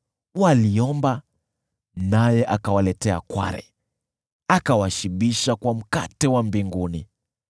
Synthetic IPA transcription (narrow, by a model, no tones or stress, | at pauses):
waliɔmba | najɛʔakawalɛtɛa̰kwa̰ɾɛ̰ | akawaʃiɓiʃakwam̩ka̰tɛwambiŋɡuni